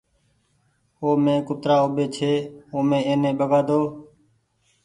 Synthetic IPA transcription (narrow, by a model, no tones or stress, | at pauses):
oːmẽːkʊt̪ɾaːoːɓeːt͡ʃʰeːoːmẽːeːnẽːɓəɡaːd̪oː